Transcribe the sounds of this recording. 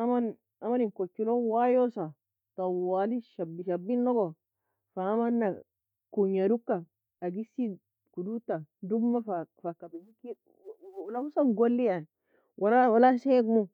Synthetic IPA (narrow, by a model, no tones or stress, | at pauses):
aman | amaninkot͡ʃːilowajosa | t̪awaːliʃabːiʃabːinːoɡo | faːmanːa | kuɲaɾukːa | aɡisi | kudutadumːafafakabid͡ʒiki | lausanɡolːija | walawalaseɡmo